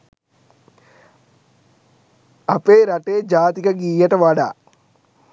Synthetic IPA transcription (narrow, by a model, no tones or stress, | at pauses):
ɐpeːɾɐʈeːd͡ʒaːt̪ikɐɡiːjɐʈɐʋaɽa